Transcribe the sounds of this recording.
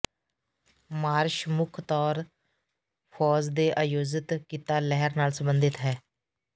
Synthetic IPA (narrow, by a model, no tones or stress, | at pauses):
maːɾʃmʊkʰt̪ɔːɾ | pʰɔːzd̪eːʔaːjoːzɪt̪kiːt̪aːlɛɦəɾnaːlsəmbənd̪ɪt̪ɦɛː